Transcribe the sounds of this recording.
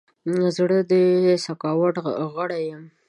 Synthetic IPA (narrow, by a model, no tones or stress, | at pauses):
zɽəd̪əsakɑwaʈɣəɽajəm